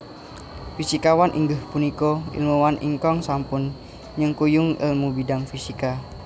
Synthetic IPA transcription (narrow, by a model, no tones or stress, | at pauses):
fisikawanʔḭŋɡəhpunikoḭlmuwanʔḭŋkɔŋsampʊn | ɲɨŋkujʊŋḭlmubidaŋfisika